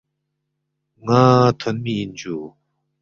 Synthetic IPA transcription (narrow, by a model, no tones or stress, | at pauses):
ŋat̪ʰənmiind͡ʑu